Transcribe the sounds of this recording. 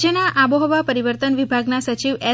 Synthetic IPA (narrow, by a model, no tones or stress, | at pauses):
ənaʔaboɦɔʋapəɾiʋəɾt̪ənʋibʱaɡnasət͡ʃiʋɛ